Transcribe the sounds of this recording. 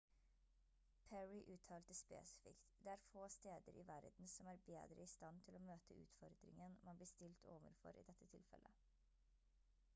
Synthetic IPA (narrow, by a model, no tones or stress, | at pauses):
pʰæɹɪʔʉːt̪ʰɑːlt̪əspḛːsɪ̥fɪ̰kt̪d̪eːæːɾfoːst̪eːd̪əɾʔḭːʋæɾd̪n̩sɔmæːɾbḛːd̪ɾə̰ɪst̪ɑnt̪ʰɪloːmøːt̪ʰəʉ̰ːt̪fɔɾd̪ɾɪ̰ŋənmʔɑnbliːst̪ɪlt̪ʰoːʋə̰ɾfɔ̰ɾʔḭːd̪ɛt̪ʰːət̪ʰɪlfɛ̰lʔə